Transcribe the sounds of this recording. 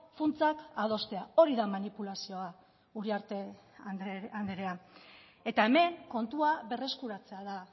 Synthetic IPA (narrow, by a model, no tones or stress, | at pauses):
funt͡sakað̞o̞st̪e̞ao̞ɾiðamanipulasio̞a | uriaɾt̪e | and̪eɾea | e̞t̪aeme̞ŋko̞nt̪uaβe̞re̞skuɾat͡se̞aða